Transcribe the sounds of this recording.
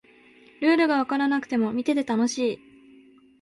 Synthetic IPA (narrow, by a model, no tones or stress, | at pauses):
ɾɯ̟ːɾɯ̟ɡaβakaɾanakɯ̟̥t̪e̞mo̞mʲit̪e̞t̪e̞t̪ano̞ɕiː